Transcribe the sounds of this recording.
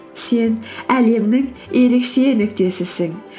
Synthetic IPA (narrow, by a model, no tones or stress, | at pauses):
se̞næle̞mnɪŋe̞ɾe̞kʃe̞nɪkt̪e̞sɪsɪŋ